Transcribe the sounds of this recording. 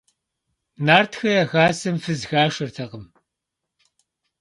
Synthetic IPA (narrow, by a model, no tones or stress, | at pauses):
naːrtʰxɐjɐɣaːsɨmfɨzxaːʂɐrtʰɐqəm